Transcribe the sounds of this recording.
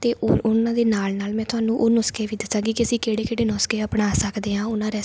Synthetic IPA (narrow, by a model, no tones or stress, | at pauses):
t̪eːʔʊnãːd̪eːnaːlnaːlmɛ̃ːt̪ʊɦaːnũːʔoːnɔːskeːʋiːd̪ɪsãːɡiːkiəsĩːkeːɽeːkeːɽeːnɔːskeːəpɳaːsəkd̪eːɦãːʊnãːɾeː